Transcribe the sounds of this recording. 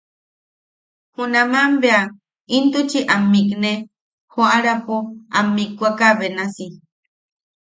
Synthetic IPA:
hunamambea | int̪ut͡ʃiʔamːikne | hoaɾapoamːikʷakaβenasi

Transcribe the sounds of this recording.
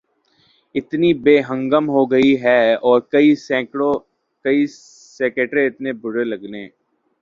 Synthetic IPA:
ɪt̪nibeːɦə̃ŋɡəmɦoɡɐiɦɛɔːɾkɐisɛ̃ːo | kɐi | seːkeːʈɾẽɪt̪nebʊɽelɐɡneː

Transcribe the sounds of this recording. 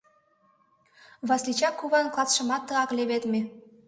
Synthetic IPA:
βɑslit͡ɕɑkːuβɑnklˠɑt͡s̪ʃɤ̆mɑt̪ːɤɑkleβet̪me

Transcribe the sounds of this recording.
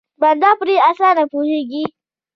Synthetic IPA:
bandapɾiʔasanapuhiɡi

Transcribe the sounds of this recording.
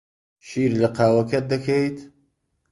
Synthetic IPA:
ʃiːɾləqɑːwɐkɐt̪̚d̪əkʰejt̪

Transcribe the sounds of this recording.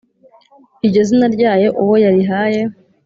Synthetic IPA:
iɟezinaɾɟaːje̞ʔuwojaɾiɦaːje̞

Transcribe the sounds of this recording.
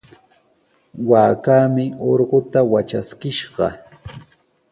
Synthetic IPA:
waːkaːmɪoɾɢot̪awat͡ʃaskɪʃɢɑ̰

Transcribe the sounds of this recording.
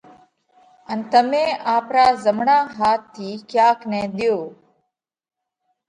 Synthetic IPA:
ənt̪əmẽːʔaːpɾaːzəmɳãːɦaːt̪ʰːiːkjaːknẽːd̪ɪjoː

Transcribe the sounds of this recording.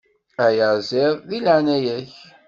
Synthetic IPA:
æjəɾzɪðˤðilʕanæjæç

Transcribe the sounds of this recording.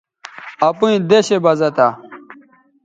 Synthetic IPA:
ɐpuĩd̪eɕebɐzɐt̪a

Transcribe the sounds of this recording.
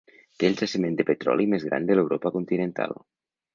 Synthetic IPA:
t̪eːlsasimẽnd̪epet̪ɾɔ̰lʔimezɣɾa̰nd̪elewɾopakunt̪inent̪a̰l

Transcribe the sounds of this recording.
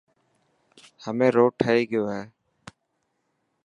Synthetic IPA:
həmẽːɾoːʈʰəeːɡɪjoːɦɛː

